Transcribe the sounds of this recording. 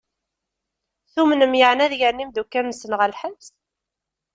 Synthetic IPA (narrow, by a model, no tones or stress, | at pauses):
θumnəmjəʕnæðjəɾnimd̪ukːæɾnəsənʁælħəs